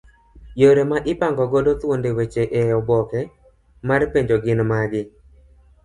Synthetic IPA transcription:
joɾemaʔɪpaŋɡɔɡodot̪wondewet͡ʃeʔejɔbɔkɛ | marpeɲd͡ʒoɡɪnmaɡɪ

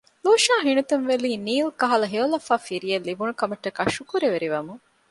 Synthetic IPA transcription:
loːʃaːɦinut̪unʋeliːniːlkɐɦɐlɐɦeolɐfaːfiɾijɐlːibunukɐmɐʈːɐkɐʃukuɾeʋeɾiʋɐmu

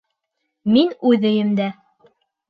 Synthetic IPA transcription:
minʉðɘ̆jɘmd̪æ

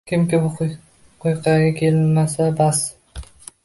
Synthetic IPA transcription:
kʲɪmkʲɪbʊ | qʰojqʰɑɡʲakʲʰe̞lmasabas

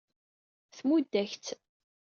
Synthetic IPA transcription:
θmud̪ːæçt͡s̪

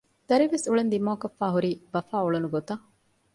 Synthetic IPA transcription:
d̪̥ɐɾiʋesuɭend̪imoːkɐfːæːɦuɾiːbɐfaːuɭɐnuɡot̪ɐ

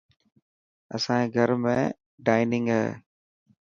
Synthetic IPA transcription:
ə̰sãeɡʱəɾmḛ̃ː | ɖaːɪnɪ̃ŋɡɦḛː

